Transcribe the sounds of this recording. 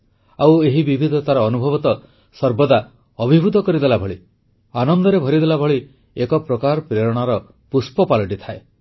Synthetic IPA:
aweɦibibʱid̪ʱɔt̪aɾɔːnubʱɔbɔt̪ɔ | sɔɾbɔd̪a | ɔbʱibʱud̪ʱɔkɔɾid̪elabʱɔɭi | anɔnd̪ɔɾebʱɔɾid̪elabʱɔɭi | ekɔpɾɔkaɾpɾeɾɔɽ̃aɾɔ | puspɔpalɔʈit̪ʰae

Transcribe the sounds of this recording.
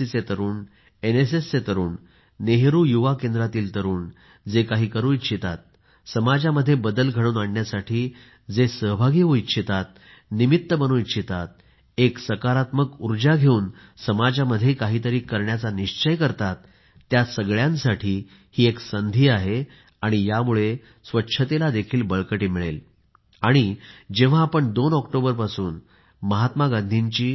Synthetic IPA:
it͡set̪əɾuːn | enes̬esːet̪əɾuːnː | eɦɾuːjuʋakend̪ɾat̪iːlt̪əɾuːn | d͡zekaɦiːkəɾuːit̪ɕʰit̪at̪̚ | səmad͡ʑaməd̪ʱːjebəd̪əlɡʱəɽuːnaɳːjasaʈʰiː | d͡zesəɦbʱaɡiʋoitːɕʰit̪at̪̚ | nimit̪ːəbənoːitɕʰit̪at̪̚ | eksəkaɾat̪məkuɾd͡ʑaɡʱeuːnsəmad͡ʑaməd̪ʱjekaɦiːt̪əɾiːkəɾɳjat͡saniɕt͡ɕəjkəɾt̪at̪ː | jasəɡɭjãnsaʈʰiː | hiːeksənd̪ʱiːaɦe | aɽ̃ijamuɭe | sʋətːɕʰət̪elad̪ekʰiːlbəɭkəʈiːmiɭḛl | aɽ̃id͡ʑeʋ̤aːpəɳd̪onɔkʈobəɾpasuːn | məɦat̪maɡãnd̪ʱiɲt͡ɕiː

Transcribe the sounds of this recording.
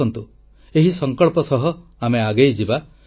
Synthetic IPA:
ɔnt̪u | eɦisɔŋkɔɭpɔsɔɦɔameaɡejd͡ʒiba

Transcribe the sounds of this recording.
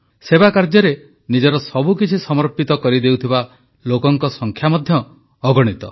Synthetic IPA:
sebakaɾd͡ʒɔɾe | nid͡ʒɔɾɔsɔbukit͡ʃʰisɔmɔɾpit̪ɔkɔɾid̪ewt̪ʰiba | lokɔŋkɔsɔŋkʰjamɔd̪ʱjɔː | ɡɔɽ̃it̪ɔ̰

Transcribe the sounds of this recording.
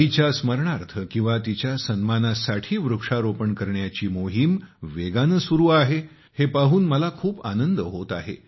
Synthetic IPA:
it͡ɕjasməɾɳaɾt̪ʰəkĩw̃ʋat̪it͡ɕjasənmanasaʈʰiːʋɾukʂaɾopəɳkəɾɳjat͡ɕiːmoɦimʋeɡanəsuɾuːaɦe | hepaɦuːnməlakʰuːpa̰nənd̪əɦot̪a̰ɦḛ

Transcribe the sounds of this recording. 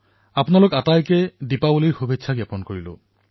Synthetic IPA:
apnalokatajkɛdipabuliɹxubʱetʃʰaɡɛpɔnkoɹilʊ̰̃

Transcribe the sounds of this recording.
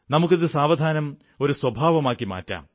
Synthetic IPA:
nɐmuk̬ːiðɨsaːʋɐd̪ʱaːnɐm | o̞ɾuswɐbʱaːʋɐmaːkːima̰ːtːa̰ːm

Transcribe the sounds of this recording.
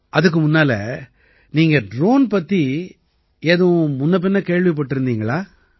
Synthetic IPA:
ʔɐðɯk̬ːɯmʊnːaːlɐ | niːŋɡɐɖɾoːnpɐt̪ːi | eːðɯ̃mʊnːɐp̬ːɪnːɐkeːɻʋip̬ɐʈːɯɾɯnd̪iːŋɡɐɭaː

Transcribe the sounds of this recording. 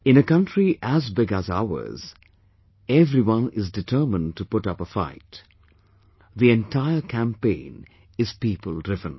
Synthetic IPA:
ɨ̃nɨkʌ̃ntɹiʔæzbɪɡæza̰ʊə̰˞z̥ | ɛvɾiwʌ̃nɪzdɨtʰɜ˞mə̃ntʰupʊɾʌpəfa̰ɪt | ðiɛ̃ntʰaɪəkʰæ̃mpḛ̃ɪ̃n | ɨz̥piːpəlˠdɹɪvə̃n

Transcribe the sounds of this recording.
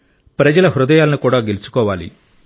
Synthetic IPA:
pɾɐd͡ʒɐlɐɦɾud̪ɐjaːlɐnukuːɽaːɡe̞lut͡ʃu̥kɔːʋaːlḭ

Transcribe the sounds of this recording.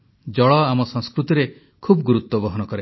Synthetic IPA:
d͡ʒɔɭɔamɔsɔ̃ŋskɾut̪iɾe | kʰubɔɡuɾut̪wɔbɔɦɔnɔkɔɾe

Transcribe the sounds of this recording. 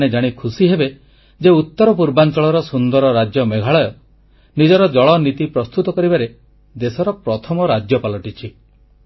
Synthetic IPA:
ɽed͡ʒaɽ̃ikʰusiɦebe | d͡ʒeut̪ːɔɾɔpuɾbant͡ʃɔɭɔɾɔsund̪ɔɾɔɾad͡ʒjɔmeɡʱaɭɔjɔ | nid͡ʒɔɾɔd͡ʒɔɭɔnit̪ipɾɔst̪ut̪ɔkɔɾibaɾe | d̪esɔɾɔpɾɔt̪ʰɔmɔɾad͡ʒjɔpalɔʈit͡ʃʰi

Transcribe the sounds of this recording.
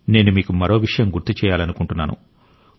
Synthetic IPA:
ne̞ːnumiːkumɐɾo̞ːʋiʂɐjɐmɡuɾt̪ːit͡ʃɛːjaːlɐnukuɳʈunːaːnṵ

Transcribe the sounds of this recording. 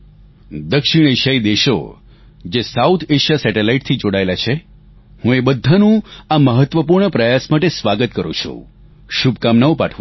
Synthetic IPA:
d̪əkʃɪɽ̃eʃaid̪eʃo̰ | d͡ʒesaut̪ʰeʃasɛʈelaiʈ̚t̪ʰid͡ʒoɽaelat͡ʃʰe | hũebəd̪ʱanũaməɦət̪ʋəpuɾɳəpɾəjasmaʈesʋaɡət̪kəɾṵ̃t͡ʃʰṵ | ʃubkamnaʋõpaʈʰʋa

